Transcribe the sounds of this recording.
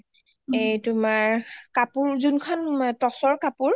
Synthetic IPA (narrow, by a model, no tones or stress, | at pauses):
ejtʊmaɹkapuɹzunkʰɔntɔsɔɹkapuɹ